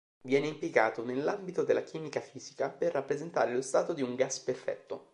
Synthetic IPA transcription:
vjɛːneimpliɡaːt̪onelːambit̪od̪elːakiːmikafiːzikaperːapːɾezent̪a̰ːɾelost̪aːt̪od̪iuŋɡasperfɛ̰t̪ːo

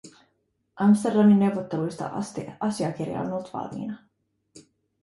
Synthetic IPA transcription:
ʔɑmst̪e̞rdɑnːinːe̞wʋot̪ːelujst̪ɑ̰st̪ɑsiɑk̟irjɑ̰onolt̪ʋɑ̰lmḭːnɑ

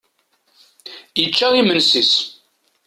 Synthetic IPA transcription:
jət͡ʃːaimənsis

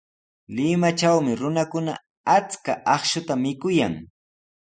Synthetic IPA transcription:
lɪmat͡ʃawmɪɾʊnakʊna̰ | at͡skaʔɑχʃʊt̪amɪkʊja̰ŋ

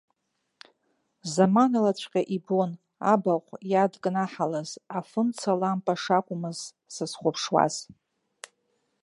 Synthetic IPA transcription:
zamanalat͡ɕʷʰqʲʼaʔibon | a̰baqʷʼjadkʼnaħalazafɨnt͡sʰalampʼaʂakʷʼʊmɨz | sɨzχʷʊpʰʂwa̰z̥

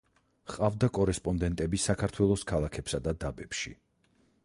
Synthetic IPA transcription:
χʼavd̪akʼɔɾɛspʼɔnd̪ɛnt̪ʼɛbisakʰaɾt̪ʰwɛlˠɔskʰalˠakʰɛpsad̪ad̪abɛpʃḭ

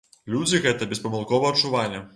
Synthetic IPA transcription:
lʲud͡z̪ʲiɣɛt̪ɐbʲɛspɐmɐlˠkɔvɐɐt̪t͡ʂuvalʲɛ

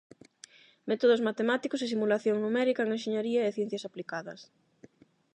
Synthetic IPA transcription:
mɛt̪oðʊsmat̪emat̪ikʊsesimulaθjoŋnumɛɾikɐeŋenʃeɲeɾiɐeθjɛn̟θjɐsaplikaðɐ̰s

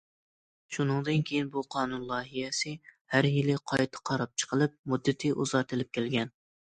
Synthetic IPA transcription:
ʃunɨŋd̪ɨnkʲʰejinbuqʰɑːnunlˠɑːɦijɛsɪhæɾjilɪqʰɑjt̪ʰɨ̥qʰɑɾɑp̚t͡ʃʰə̥qʰəlˠɨp̚mud̪ːɪt̪ʰɪʔuzɑɾt̪ʰɨlɪp̚kʲʰelɡʲɛn

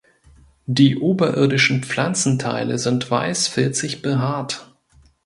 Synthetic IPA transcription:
d̥iːʔoːbɐʔɪɐdɪʃn̩p͡flant͡sn̩tʰa̰ɪlə̰zɪntv̥a̰ɪsfɪɐt͡sɪçb̥əɦaːt

